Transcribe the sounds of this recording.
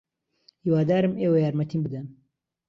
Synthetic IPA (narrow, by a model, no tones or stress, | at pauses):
hiwaːd̪aːɾɨmeːwɐjaːɾmɐt̪ʰiːmbɨd̪ɐn